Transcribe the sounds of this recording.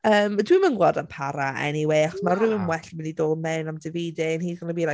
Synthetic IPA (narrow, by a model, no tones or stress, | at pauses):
əːmadwɪmənɡwɔdanpʰaɾaʔɛ̰niwejaχɔsmarɨəmwɛɬmɪnidoːmɛnamdɪveːdɪənhiːdɔnəbiːɾa